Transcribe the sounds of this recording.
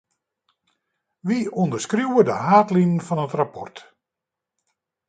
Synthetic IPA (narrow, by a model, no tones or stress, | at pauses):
ʋiondərskruwədəɦaːtlinənfɔnətrapɔ̰rt